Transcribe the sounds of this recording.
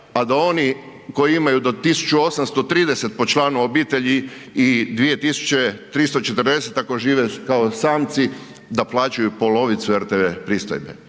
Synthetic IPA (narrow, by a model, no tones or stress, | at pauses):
ad̪ao̞ni | ko̞jiimajud̪ot̪isu̥t͡ʃuosamst̪o̞t̪ɾiːd̪ese̞t̪̚po̞t͡ʃlˠaːnuobiːt̪e̞ʎiid̪ʋije̞t̪isu̥t͡ʃe̞t̪ɾist̪ot͡ʃe̞t̪r̩d̪e̞se̞t̪akoʒiːʋekaosaːmt̪si | d̪aplˠaːt͡ʃujupo̞lo̞ʋit̪sueɾt̪eʋepɾist̪ojbḛ